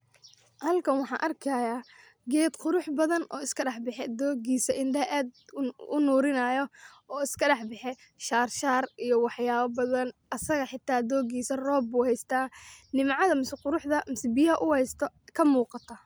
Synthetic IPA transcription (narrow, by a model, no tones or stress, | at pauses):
hɐlkʰɐnwɑħɑ̰ːʔɐrkʰɐja | ɡɛːd̪qʊɾʊħbɐðɐnʔɔ̰ːɪskʰɐɖɑħbɪħɛd̪ɔːɡiːsɐʔɪnɖɐɦɛʔaːd̪ʊnuːɾɪnɐːjɔ | ɔːɪskʰɐɖɑħbɪħɛ | ʃaːrʃaːrijɔwɑħjaːβɐbɐðɐnɐsɐɣɐħɪt̪ʰːaːd̪ɔːɡiːsɐrɔːbːuːhɛjst̪ʰaːnɪmʕɑðɐmɪsqʊɾʊħðɐmɪsbɪjɐɦɐʔʊhɛjst̪ʰɔ | kʰɐmuːqɑt̪ʰɐ